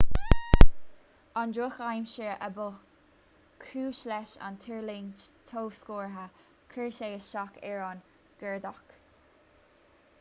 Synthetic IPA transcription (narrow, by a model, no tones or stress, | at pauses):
ɑndɹoxajmʃəʔəbʊ | kʰuːʃlɛʃa̰nt̪ʰəɹlint̪ʰoːvskoːɹɦa | kʰəɹʃeəʃɑkʰɛɹɑn | ɡ̥ɛɹd̪ak